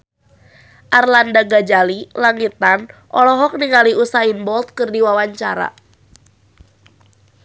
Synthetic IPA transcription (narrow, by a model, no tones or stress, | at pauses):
ʔarlandaɡad͡ʒalilaŋit̪anʔɔlɔɦɔk̚niŋaliʔusainbɔlt̪̚kɨrdiwawaɲt͡ʃaɾa̰